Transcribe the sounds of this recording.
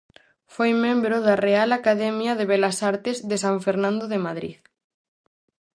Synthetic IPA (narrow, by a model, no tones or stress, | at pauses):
fojmẽmbɾoðarealakaðɛmjɐðeβ̞elasaɾt̪ezðesaɱfeɾnãnd̪oðemaðɾḭð